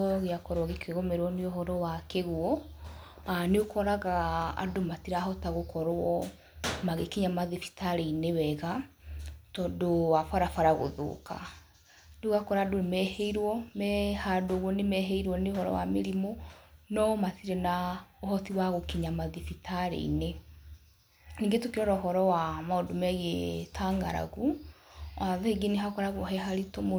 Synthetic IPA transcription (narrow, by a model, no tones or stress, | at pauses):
ɔɣeakɔɾwɔɣekeɣɔmeɾwɔneɔɦɔɾɔwakeɣuɔ | aneokɔɾaɣa̰ːdomatiɾaɦɔtaɣokɔɾɔ | maɣekiɲamaðifi̥taɾeinewɛɣa | tɔːdowafaɾafaɾaɣo̰ðo̰ka̰ | neoɣakɔɾaːdonemɛhɛiɾwɔmɛhadoɣwɔnemɛɦɛiɾwɔnehɔɾɔ̰wa̰meɾimɔnɔmaθiɾenaoɦɔtiwaɣokiɲamaðifitʰaɾḛḭne | niːŋɡetokeɾɔɾɔɦɔɾɔwamaodomɛɣetʰaŋɡa̰ɾa̰ɣu | aðɛiɡeneɦakɔɾaɣoɦɛɦaɾitɔm